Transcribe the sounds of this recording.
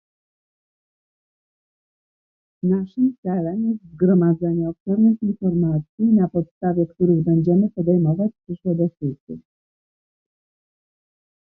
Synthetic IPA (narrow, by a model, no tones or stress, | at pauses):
naʂɘmt̪sɛlɛmjɛst̪zɡɾɔmad̪zɛɲɛɔpsɛɾnɘxinfɔɾmat̪sʲjinapɔt̪st̪avʲjɛkt̪uɾɘɣbɛɲd͡ʑɛmɘpɔd̪ɛjmɔvat͡ɕpʂɘʂwɛd̪ɔskusḭ